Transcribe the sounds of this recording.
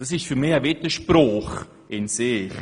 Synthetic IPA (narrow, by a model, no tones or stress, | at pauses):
d̥ɑs̬ɪʃtfyːɾmɪxavɪtəʃprɔχ | ʔɪnsɪx